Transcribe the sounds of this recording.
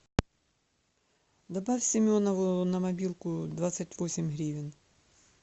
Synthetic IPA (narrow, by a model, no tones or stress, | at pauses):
d̪ɐbawʲsʲɪmʲɔnɐʋʊnɐmɐbʲilˠkʊd̪ʋat̪sɐtʲʋɔsʲɪmʲɦɾʲiʋʲɪn